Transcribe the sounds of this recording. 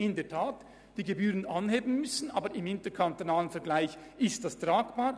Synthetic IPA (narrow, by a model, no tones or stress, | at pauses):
ɪndeːɐtʰaːt | d̥iːɡebyːʁənanheːbn̩mʏsn̩ʔaːbəɾɪmɪntəkʰantonaːlənfɛɐɡlaɪç | ɪstd̥astʁaːɡb̥aːɾ